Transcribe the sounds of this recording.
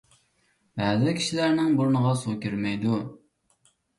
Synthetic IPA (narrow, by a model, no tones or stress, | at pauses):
bæːzɪkʲʰi̥ʃilæɾnɪŋbuɾnəʁɑsukʲʰyɾmɛjd̪u